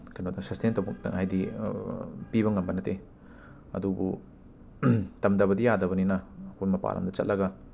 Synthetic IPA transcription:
kɐjnodɐsɐstentɐwbɐk̚ɐ̰ŋajdi | piβɐŋɐmbɐnɐte | ɐ̰dubṵ | tɐmdɐβɐdijadɐβɐninɐːkʰujmɐpa̰lɐ̰mdɐt͡ʃɐ̰t̚lʔɐɡɐ

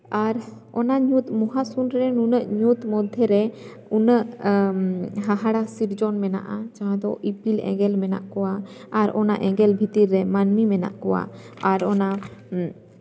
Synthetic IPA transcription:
aɾ | ɔnaɲut̪muɦasunɾɾɛnunəʔɲut̪mɔd̪ʱɛɾɛ | unəʔ | ɦaɦaɽasiɾd͡ʒɔnmɛna̰ʔat͡ʃaɦãd̪ɔʔipilɛ̰ɡɛlmɛna̰ʔkɔwaː | ɾɔna̰ʔɛɡɛlbʱit̪iɾːɛmanmimɛna̰ʔkɔwa̰aɾɔna

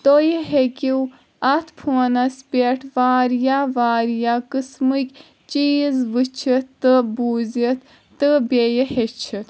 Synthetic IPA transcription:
t̪ojəɦekʲiw | ɐt̪ʰpʰunɐspʲeʈʰʋaːɾjaʋaːɾjakɨsmɨkʲ | t͡ʃiːzʋɨt͡ʃʰit̪ɨbuːzit̪ʰ | t̪ɨbʲejəhet͡ʃʰit̪

